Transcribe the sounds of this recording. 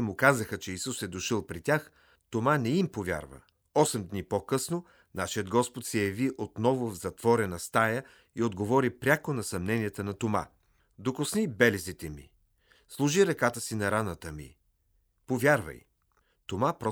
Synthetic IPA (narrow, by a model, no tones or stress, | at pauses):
mʊkazəxət͡ʃɛisusɛd̪oʃəlˠpɾitʲax | t̪omanɛimpovʲja̰ɾvə̰ | ɔsɛmd̪nipokɤsno | naʃiəd̪̚ɡɔspot̪sɛjɐviʔot̪nɔvʊvzɐt̪vɔɾɛnɐst̪ajə | iod̪ɡovɔɾipɾʲakonɐsɐmnɛnijət̪ənɐt̪oma̰ | d̪okosnibɛlɛzit̪ɛmḭ | slˠuʒiɾɐkat̪əsinɐɾanət̪əmḭ | povjaɾvɐ̰j | t̪omapɾɔ